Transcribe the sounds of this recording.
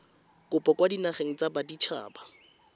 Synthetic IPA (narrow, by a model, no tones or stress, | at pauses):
kʼʊpɔkʼwadinaχeŋ̩t͡sabadit͡ʃʰa̰ːba